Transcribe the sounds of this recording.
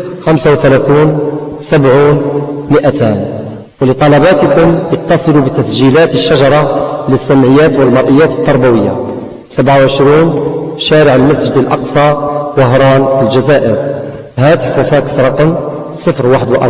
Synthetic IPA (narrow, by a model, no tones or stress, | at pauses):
xæmsawt̪ælæθiːnsæbʕuːnməʔæt̪æːn | wlət̪ˤɑlɑbɑt̪əkʊmjɑt̪ːɑsˤɨlubət̪æsʒilæt̪əʃːæʒɑɾˤɑləsːæmʕəjːæt̪wəlmɑɾˤʔəjːæt̪ət̪ˤːɑɾˤbæwəjːa̰ | sæbʕawʕəʃɾiːnʃæɾəʕəlmæsʒəd̪əlʔɑ̰qsˤɑwəɦɾˤɑːnəlʒæzæʔəɾ | hæt̪əfwfækə̥sɾˤɑqəm | sˤəfɾwaħəd̪wʔɑ̰